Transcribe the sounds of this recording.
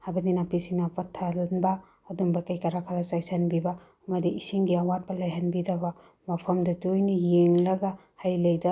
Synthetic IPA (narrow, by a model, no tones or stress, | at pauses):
habɐdinapisinapɐtʰːalnbaː | duŋbɐkajkɐɾakʰaɾasajsanbiba | ŋɐdiisiŋɡiawat̚pɐlajɦanbidaba | mɐpʰɐmdɐdujnijeŋlɐɡa | hajlɐjdɐ